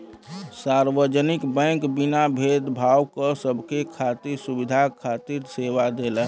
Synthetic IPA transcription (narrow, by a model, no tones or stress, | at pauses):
saɾʋəd͡ʒənikbɛ̃ŋkbinabʱed̪bʱawkəsəbʱkekʰat̪iɾsubid̪ʱakʰat̪iɾseʋad̪elə